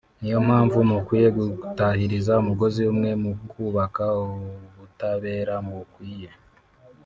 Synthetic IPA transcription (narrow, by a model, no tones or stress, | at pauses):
nijo̞m̥haːɱvumukwiːje̞ɡutahiɾizaumuɡo̞ziumŋe̞mukuβakaoβutaβe̞ːɾamukwiːje̞